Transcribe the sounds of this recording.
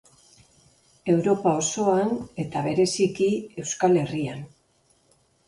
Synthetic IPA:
e̞wɾo̞pao̞so̞ane̞t̪aβe̞ɾe̞sikie̞wskale̞rian

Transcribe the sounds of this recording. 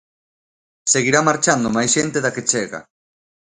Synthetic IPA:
seɣiɾamaɾt͡ʃand̪omajsʃent̪eðaket͡ʃeɣa̰

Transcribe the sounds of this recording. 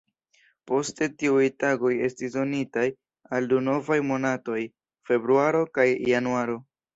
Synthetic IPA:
po̞ste̞tiujtaɡo̞je̞stisdo̞nitaj | alduno̞vajmo̞nato̞j | fe̞bɾuaɾo̞kajːanuaɾo̞

